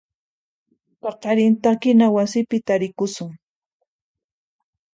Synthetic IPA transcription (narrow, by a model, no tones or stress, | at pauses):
pɑqɑɾɪnt̪akɪnawasɪpɪt̪aɾɪkʊsʊŋ